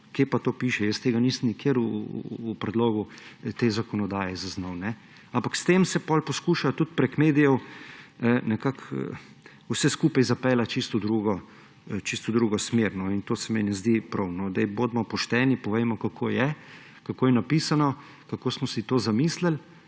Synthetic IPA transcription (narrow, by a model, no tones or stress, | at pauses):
kepat̪oːpiːʃɛjəst̪eːɡaniːsəmnikeɾṵːpɾɛd̪loːɡut̪eːzakɔnɔd̪aːjɛzaznɔwnɛ | ampakst̪emsɛpɔlpɔskuːʃat̪ut̪pɾɛkmeːd̪ijɔw | nɛkak | usɛskuːpajzapɛlat͡ʃist̪ɔd̪ɾuɡɔ | t͡ʃist̪ɔd̪ɾuːɡɔsmeɾnɔint̪oːsɛmɛnɛzd̪ipɾɐwnɔd̪ɛjbod̪mɔpɔʃt̪ɛːnipɔʋejmɔkakʰoːjɛ | kakoːjɛnapiːsanɔ | kakoːsmɔsit̪oːzamiːsləl